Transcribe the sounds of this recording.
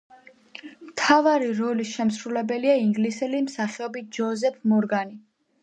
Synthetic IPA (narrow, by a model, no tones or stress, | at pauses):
mt̪ʰavaɾiɾɔlisʃɛmsɾulɛbɛliaiŋɡlisɛlimsaχɛɔbit̪̚d͡ʒɔzɛpʰmɔɾɡani